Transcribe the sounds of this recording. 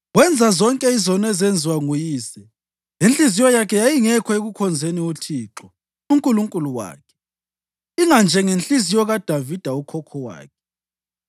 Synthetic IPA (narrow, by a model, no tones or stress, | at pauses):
ɣwɛnd͡zʱazɔŋkʼɛizɔnɛzɛnd͡zʱiwaŋujiːsɛ | jenɬizijɔjakʰɛjajiŋɛkʰɔeɣukʰɔnd͡zʱeniotʰiːǁɔ | uŋkʼuluŋkʼuluwa̰ːkʰɛ̥ | iŋand͡ʒʱɛŋent͡ɬʼizijɔɣad̥ʱavid̥ʱaukʰɔkʰɔwa̰ːkʰɛ̥